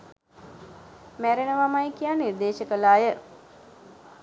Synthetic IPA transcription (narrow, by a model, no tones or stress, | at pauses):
mæɾenəʋamajkijaniɾd̪eːʃəkəlaːjə